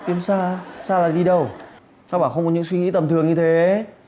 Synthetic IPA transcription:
t̪i˨˦ənsaː˧saː˧laː˨˩ɗi˧ɗə˧˩w | saː˧wɓaː˧˩xə˧wŋ͡mkɔ˨˦ɲɨ̰˧˥ŋswi˧ŋḭ˧˥t̪ə˨˩mt̪ʰɨ˨˩əŋɲɨ˧t̪ʰe˨˦

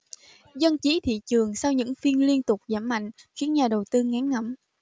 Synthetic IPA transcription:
zə˧nt͡ɕi˨˦t̪ʰḭ˧˨t͡ɕɨ˨˩əŋsa˧wɲɨ̰˧˥ŋfi˧ənli˧ənt̪ʊ˨˩k͡p̚zaː˧˩mma̰˧˨jŋ̟xi˨˦ənɲaː˨˩ɗə˨˩wt̪ɨ˧ŋa˨˦nŋə˧˩˨m

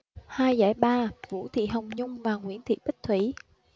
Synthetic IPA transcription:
haː˧jza̰ː˧˩jɓaː˧vṵ˧˥t̪ʰḭ˧˨ɦə˨˩wŋ͡mɲʊ˧ŋ͡mvaː˨˩ŋwḭ˧˥ənt̪ʰḭ˨ɓi˦˥k̟̚t̪ʰwi˧˩

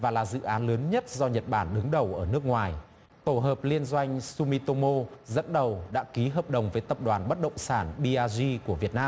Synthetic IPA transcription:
vaː˨˩laː˨˩zɨ̰˧˨ʔaː˨˦nləː˨˦nɲə˦˥t̚zɔ˧ɲə˨˩t̚ɓaː˧˩nɗɨ˨˦ŋɗə˨˩wʔəː˧˩nɨ˦˥ək̚ŋwaː˨˩j | t̪o˧˩ɦəː˨˩p̚li˧ənzwa˧jŋ̟su˧mi˧t̪o˧mo˧zə̰˧˥nɗə˨˩wɗa̰ː˧˥ki˨˦ɦəː˨˩p̚ɗə˨˩wŋ͡mvəː˨˦jt̪ə˨˩p̚ɗwaː˨˩nɓə˦˥t̚ɗə̰˧˨wŋ͡msaː˧˩nɓi˧ʔaː˧zi˧ku˧˩əvi˨˩ət̚naː˧m

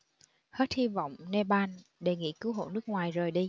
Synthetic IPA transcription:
he˦˥t̚hi˧vɔ̰˧˨wŋ͡mne˧ɓaː˧nɗe˨˩ŋḭ˧˥kɨ˨˦wɦo̰˧˨nɨ˦˥ək̚ŋwaː˨˩jzəː˨˩jɗi˧

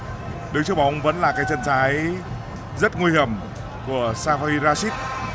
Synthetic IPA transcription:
ɗɨ˨˦ŋt͡ɕɨ˦˥k̚ɓa˨˧˦wŋ͡mvə̰˧˥nlaː˨˩kaː˨˦jt͡ɕə˧nsaː˨˦j | zə˦˥t̚ŋwi˧jhi˧˨˩əm | ku˧˩əsaː˧ɦɔ˧i˧zaː˧si˦˥t̚

